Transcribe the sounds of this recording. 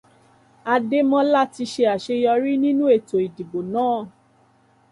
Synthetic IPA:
a˧de˦mɔ̃˦la˦ti˧ʃe˧a˨ʃe˧jɔ˧ɾi˦nĩ˦nũ˦e˦˨to˨i˨di˨bo˨nãː˨˦˨

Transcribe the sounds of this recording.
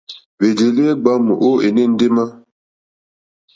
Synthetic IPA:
ve˨d͡ʒe˨li˦e˦ɡ͡ba˦mu˨ʔo˦e˨ni˦n̩˦de˦ma˦

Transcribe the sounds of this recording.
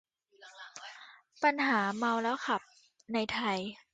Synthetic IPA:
pa˧nɦaː˩˦ma˧wlɛː˦˥wkʰa˨˩p̚ | na˧jt̪ʰa˧j

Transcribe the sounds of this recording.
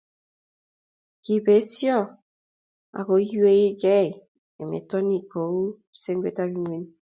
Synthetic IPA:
ki˨be˨˦sjɔ˦˨ | a̰˨ko˨˦ju˦e˦i˦ɡɛ˦˨ | e˨mḛ˨tɔ˦ni˦˨ko˨wu˦ | se˦ŋɡʷe˦ta˦ki˦ŋwe˦n

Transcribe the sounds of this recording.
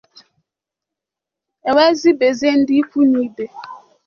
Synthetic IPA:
ɛ˨wɛ˦zi˦be˨ze˦n˦di˦fu˦ni˨˦be˨

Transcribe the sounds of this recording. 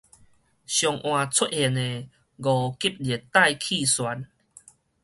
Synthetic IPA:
ɕjɔ˨ŋʔwã˨t͡sʰu˦t̚he˨˧˨ne˨ | ɡɔ˨˩ki˦p̚lje˨˩t̪a˥˧˨jkʰi˥˧swa˨˦n

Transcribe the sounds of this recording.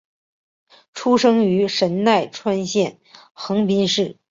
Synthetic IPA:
ʈ͡ʂʰu˥ʂɤ˥ŋy˧˥ʂə˧˥nna˥˩ɪʈ͡ʂʰwa˥nɕjɛ˥˩n | xɤ˧˥ŋpi˥nʂɻ̩˥˩

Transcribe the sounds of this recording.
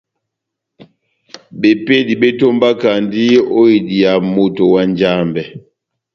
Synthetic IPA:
be˨pe˦di˨be˦to˦mba˦ka˨ndi˦o˦i˨di˨a˨mo˦˨to˨wa˦nd͡ʒa˦˨mbɛ˨

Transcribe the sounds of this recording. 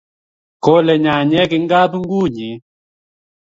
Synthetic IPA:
kɔ˦lɛ˨ɲa˨ɲɛ˦ki˨˦ŋ˦ɡa˦bu˦ŋ˦ɡu˦˨ɲi˨˦

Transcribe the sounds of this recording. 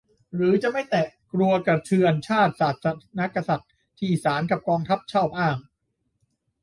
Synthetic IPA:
ɾɯː˩˦t͡ɕa˨˩ʔma˥˩jt̪ɛː˨˩kɾu˧ɐka˧t̪ʰɯ˧ənt͡ɕʰaː˥˩t̪̚saː˨˩t̪̚sa˧na˦˥ka˧sa˨˩t̪̚ʰːiː˧˨ʔiː˨˩saː˩˦nka˨˩p̚kɔː˧ŋt̪ʰa˦˥p̚t͡ɕʰɔː˥˩p̚ʔaː˥˩ŋ

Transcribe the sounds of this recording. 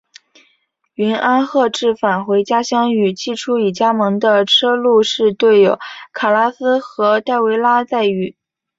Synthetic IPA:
y˧˥nʔa˥nxɤ˥˧ʈ͡ʂɻ̩˥˩fa˨˩nxwe˧˥ɪt͡ɕja˥ɕjɑ˥ŋy˨˩t͡ɕi˥˩ʈ͡ʂʰu˥i˨˩t͡ɕja˥mɤ˧˥ŋd̪ə˧ʈ͡ʂʰɤ˥lu˥˧ʂɻ̩˥˧t̪we˥˩ɪjo˧˩˦ʊkʰa˨˩la˥sɹ̩˥xɤ˧˥t̪a˥˩ɪwe˧˥ɪla˥t͡sa˥˧ɪy˨˩˦

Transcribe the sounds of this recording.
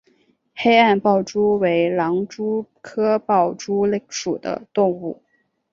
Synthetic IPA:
xe˥ɪa˥˧npɑ˥˩ʊʈ͡ʂu˥we˧˥ɪlɑ˧˥ŋʈ͡ʂu˥kʰɤ˥pɑ˥˩ʊʈ͡ʂu˥lŋʂṵ˨˩d̪ə̰˦t̪ʊ˥˧ŋu˥˩

